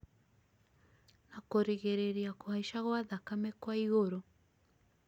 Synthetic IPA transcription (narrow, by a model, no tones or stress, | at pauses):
nakoɾeɣeɾeɾiakohaiʃaɣwaðakamɛkwaiɣoɾo